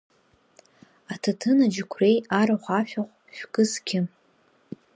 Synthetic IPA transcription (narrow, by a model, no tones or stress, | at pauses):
atʰatʰɨnad͡ʒɪkʷʰre̞jaɾaχʷaʃᶣaʁʷʼ | ʃᶣkʼɨzɡʲɪ